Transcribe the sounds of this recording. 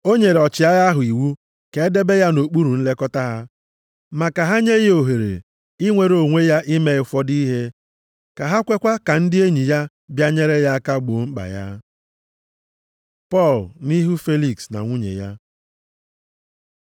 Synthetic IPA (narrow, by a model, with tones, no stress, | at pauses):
o˦ɲe˨ɾe˨ɔ˨t͡ʃɪ˨a˦ɣa˦ɦʊ˨i˨wu˦ | ke˨˦de˦be˦ja˦no˨k͡pu˦ɾu˨n̩˦le˦kɔ˦ta˦ɦa˦ | ma˨ka˨ɦa˦ɲe˦ɣe˦o˨ɦe˨ɾḛ˨ | i˦ŋʷe˨ɾo˨ŋʷe˦ja˦ʔɪ˦me˦ɪ˨fɔ˦di˦i˦ɦe˦ | ka˨ɦa˦kʷe˦kʷa˦ka˨n̩˦dɪ˦e˦ɲi˨ja˦ | bja˦ɲe˦ɾe˦ja˦a˦ka˦ɡ͡bo˨ŋ͡m̩˦k͡pa̰˨ja̰˦ | pɔ˦˨lni˦ɦu˦fe˦li˨ksna̰˨ŋʷu˦ɲḛ˨ja˦